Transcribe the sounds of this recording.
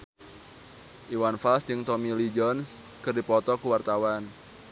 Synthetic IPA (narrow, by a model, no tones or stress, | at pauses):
ʔiwanfalsd͡ʒɨŋt̪ɔmilid͡ʒɔns | kɨrdipɔt̪ɔkuwart̪awan